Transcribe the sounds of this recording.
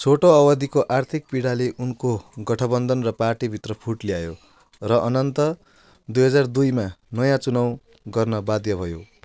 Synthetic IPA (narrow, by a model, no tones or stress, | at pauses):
t͡sʰoʈoʌbʌd̪ikoʔart̪ʰik̚piɽaleʔunkoɡʌʈʰʌbʌnd̪ʱʌnrʌparʈibʱit̪rʌpʰuʈlijajo | rʌʔʌnʌnt̪ʌ | d̪ujɦʌd͡zard̪ujmanʌjãt͡sunaw̃ | ɡʌrnʌbad̪jʌbʱʌjo